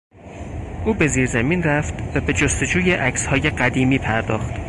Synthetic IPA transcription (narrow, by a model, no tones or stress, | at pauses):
ʔuːbe̞ziːɾzæmiːnræft̪væbe̞d͡ʒost̪o̞d͡ʒuːjeʔæcshɒːje̞ɢæd̪iːmiːpʰæɾd̪ɒːxt̪